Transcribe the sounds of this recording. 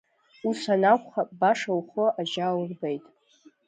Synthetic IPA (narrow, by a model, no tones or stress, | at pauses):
usanakʷʼχabaʂawχoʔaʒaːwrbejtʼ